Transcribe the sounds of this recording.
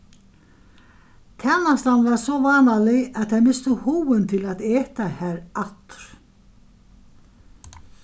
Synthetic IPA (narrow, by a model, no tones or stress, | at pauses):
t̪ʰɛnːast̪land̪vaɾsɔvaːnalɪaðtθajmɪst̪ʏhuːɪnt̪ʰɪlaðɛːt̪ahæːɾat̪ɾ̥